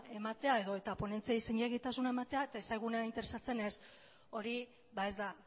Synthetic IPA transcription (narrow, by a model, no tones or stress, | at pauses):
e̞mat̪e̞ae̞ðo̞e̞t̪apo̞ne̞nt͡siaiseɲeɣit̪asunae̞mat̪e̞aet̪ae̞sajɣ̞unaint̪e̞ɾe̞sat͡se̞ne̞s | o̞ɾi | βae̞zd̪a